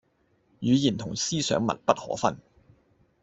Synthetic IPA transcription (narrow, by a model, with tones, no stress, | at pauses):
jyː˨˧jiː˨˩nt̪ʰʊ˨˩ŋsiː˥sœ̰ː˨˥ŋmɐ˨t̚pɐ˥t̚hɔ̰ː˨˥fɐ˥n